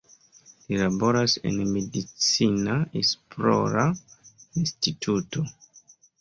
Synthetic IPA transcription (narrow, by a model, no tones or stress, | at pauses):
lilabo̞ɾase̞̰nmedit͡sinaespɾo̰ɾainstitʰuto̞